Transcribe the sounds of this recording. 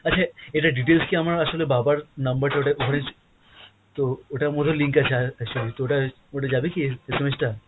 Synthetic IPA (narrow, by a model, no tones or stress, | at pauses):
ətːʰaeʈaɖiʈ̬elskiamɾaɐsolebabaɾnɐmbəɾt̪ʰeoʈaʔoɦɾẽnd͡ʒ | t̪ooʈamod̪ʱolĩŋkɐt͡ʃʰaɛk̚t͡ʃulit̪ooʈa | oʈad͡ʒabikisɐməd͡ʑʱt̪a